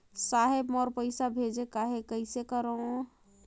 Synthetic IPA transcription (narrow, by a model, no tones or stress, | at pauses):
saɦebmɔɾpəɪsabʱed͡ʒekaɦekəɪsekəɾə̃